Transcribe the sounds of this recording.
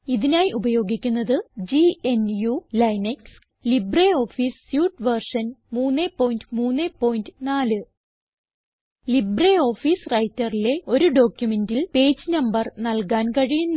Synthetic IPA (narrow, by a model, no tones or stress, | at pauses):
iðinaːjiʔubɐjo̞ːɡikʲːunːɐðɨd͡ʑienjulɐjneks | libreo̞ːfiːsːjuːʈʋɐrʂɐnmuːnːeːpːo̞ːjindɨmuːnːeːpːo̞ːjndɨnaːlɨ | libreo̞ːfiːsrɐjtːɐrile̞o̞ɾuɖo̞ːkʲjume̞ndilpe̞ːd͡ʑɨnɐmbɐrnɐlkaːnkɐɻijunː